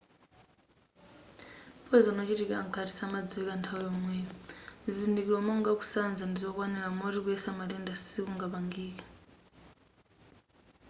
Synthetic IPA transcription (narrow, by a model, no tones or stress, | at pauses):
pɔzanɔt͡ʃitikaŋ̩kʰati̥samad͡ziɛkantʰaujɔmwɛɔzindikilwamɔŋɡaku̥sand͡zandizɔkwanɛɾamɔɾikuɛsamatɛndasikuŋɡapaŋɡiːkḁ